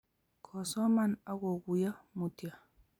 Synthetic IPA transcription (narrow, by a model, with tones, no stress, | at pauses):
kʰɔ˨sɔ˦ma˦˨na˦ɡɔ˨ɡu˨ja˦mu˨tja˨